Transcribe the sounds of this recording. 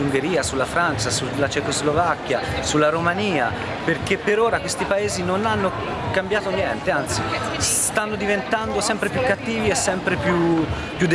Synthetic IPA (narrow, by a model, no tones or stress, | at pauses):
uŋɡeɾiːasulːafɾant͡ʃasulːat͡ʃekozlovakːjasulːaɾomaniːa | perkepːeɾoːɾakwest̪ipaeːzinonanːo | kambjaːt̪onjɛnt̪eant̪sis | t̪anːod̪ivent̪and̪osɛmpɾepjukːat̪ːiːviɛsːɛmpɾepju | pjud̪ː